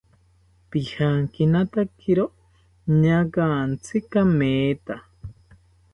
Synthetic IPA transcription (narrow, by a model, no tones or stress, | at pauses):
pihaŋkinat̪akʰiɾo | ɲakant͡sʰikameːt̪a